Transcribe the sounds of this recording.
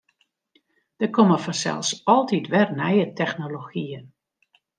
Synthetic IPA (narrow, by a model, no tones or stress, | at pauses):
d̥əkʰɔməfɔnsɛ̰lˠsɔlˠtitʋɛrnɛjətʰɛxnoloxiən